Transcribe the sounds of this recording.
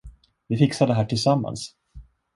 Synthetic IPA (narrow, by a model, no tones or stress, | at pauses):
vɪfɪksad̪əɦæːʈʰɪlsamːa̰ns